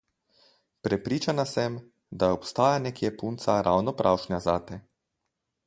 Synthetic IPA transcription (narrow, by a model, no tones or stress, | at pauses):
pɾɛpɾiːt͡ʃanasɛm | d̪aɔpst̪aːjanɛkjɛpunt̪saɾʔawnɔpɾʔawʃnʲazaːt̪ɛ